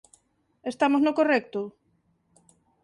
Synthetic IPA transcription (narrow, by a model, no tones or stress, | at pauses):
est̪amoznokorɛk̚t̪ʊ